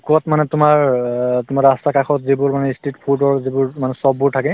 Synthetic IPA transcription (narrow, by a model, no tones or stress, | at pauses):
kɔtmanɛtʊmaɹtʊmaɹastakaxʰɔtzibʊɹmanɛistetpʰudɔɹzibʊɹmanɛsɔb̚ːʊɹtʰakɛ